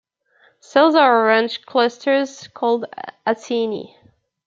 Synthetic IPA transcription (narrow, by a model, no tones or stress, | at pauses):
sɛlˠzəɹɹɛ̃nt͡ʃkʰl̥ʌstʰə˞z̥kʰɔlˠdasinḭ